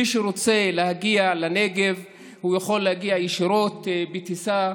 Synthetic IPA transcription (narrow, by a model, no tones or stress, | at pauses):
iʃeɾot͡se̞lehaɡialaneɡe̞v | hujaχo̞lːehaɡiajiʃiɾo̞t̪bit̪isa